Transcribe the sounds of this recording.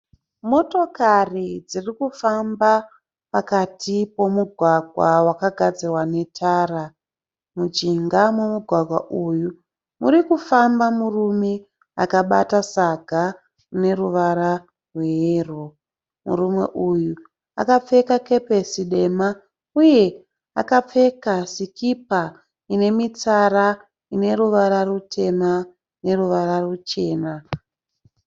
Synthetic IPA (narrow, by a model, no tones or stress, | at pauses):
mo̞to̞karid͡zirikufamba | pakatʰipo̞muɡʱwaɡʱwawakaɡʱad͡zirwane̞tʰaːra | mud͡ʒiŋɡamwomuɡʱwaɡʱwa̰ʔuju | muɾikufambamurume | a̰kaɓa̰tasaɡʱa | ne̞ruʋaɾa | rwe̞ɦeːro | mṵɾumwe̞̰ʔuju | a̰kap͡fe̞kake̞pesiɗe̞ma | uje̞ | a̰kap͡fe̞kasikipa | ine̞mit͡sara | ine̞ɾuʋaɾarutʰe̞ma | ne̞ruʋaɾarut͡ʃe̞ːna